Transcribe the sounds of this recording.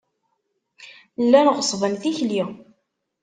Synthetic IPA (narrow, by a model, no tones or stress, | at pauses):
lːænʁsˤvˤənθiçli